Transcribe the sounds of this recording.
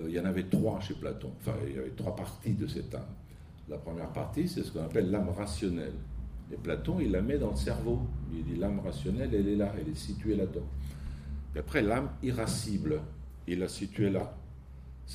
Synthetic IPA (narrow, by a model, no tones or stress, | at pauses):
ilɑ̃navɛt̪χwaʃepla̰t̪ɔ̰̃ɑ̃fɛ̰̃ḭlja̰vɛt̪χwapaʁt̪id̪əsɛt̪a̰m | lapχəmjɛʁpaʁt̪isɛsə̥kɔ̃napɛlːamʁasjɔnɛ̰leplat̪ɔ̃ilːamɛd̪ɑ̃ləsɛʁvoild̪ilamʁasjɔnɛlɛlɛlaɛlɛsit̪ɥelad̪ɑ̃ | piapχɛlamiʁasibl | ilːasit̪ɥɛla | s